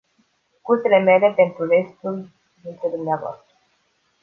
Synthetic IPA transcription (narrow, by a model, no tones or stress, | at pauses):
kurse̞le̞me̞le̞pe̞nt̪ɾure̞st̪ul | d̪int̪ɾed̪umneavoa̰st̪ɾə